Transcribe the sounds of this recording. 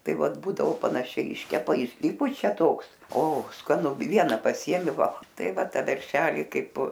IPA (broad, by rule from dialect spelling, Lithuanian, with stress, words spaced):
ˈtɐɪ ˈʋɐt ˈbuːdɐoː pɐnɐˈʃʲɛɪ ˈɪʃʲkʲɛpɐ ɪʃʲˈsʲɪpʊt͡ʃʲɛ ˈtoːks oː skɐˈnʊ ˈʋʲiɛnɐ pɐˈsʲiɛmʲɪ ˈʋɐlˠ ˈtɐɪ ˈʋɐ ˈtɐ ˈʋʲɛrʲʃʲɛlʲɪ ˈkɐɪp